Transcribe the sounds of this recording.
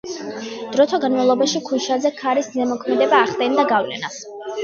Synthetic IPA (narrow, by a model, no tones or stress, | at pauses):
d̪̥ɾɔt̪ʰaɡanmavlˠɔbaʃikʰuʃazɛkʰaɾiszɛmɔkʰmɛd̪ɛbaːχd̪ɛnd̪aɡavlɛ̰nas